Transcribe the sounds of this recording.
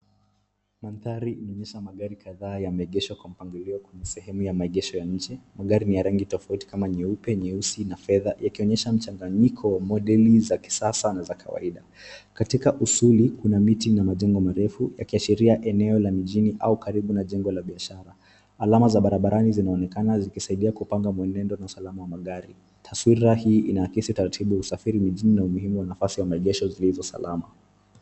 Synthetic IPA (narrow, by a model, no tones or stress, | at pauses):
manθaɾiinɛɔɲɛʃamaɠaɾikaðaːjamɛɛɠɛʃwakwam̩paŋɡuliɔkwɛɲɛsɛhɛmujamaɛɠɛʃɔjaɲ̩t͡ʃɛmaɠaɾinijaɾaŋɡitɔfauti̥kamaɲɛupɛɲɛusinafɛðajakiɔɲɛʃam̩t͡ʃaŋɡaɲikʰɔwamɔɗɛlizaki̥sasanazakʰawa̰iɗa | katikaʔusulikunamitinamaʄɛŋɡɔmaɾɛfujakiaʃiɾiaʔɛnɛɔlamiʄiniʔaukaɾiɓunaʄɛŋɡɔlaɓiaʃaɾaː | lamazaɓaɾaɓaɾanizinaɔnɛkanazikisaiɗiakupaŋɡamwɛnɛndɔnausalamawamaɠaɾi | tʰaswiɾahiːʔinaakisiutaɾatʰiɓuwausafiɾim̩ʄininaumuhimuwanafasiwamaɛʄɛʃɔzilizɔsa̰lama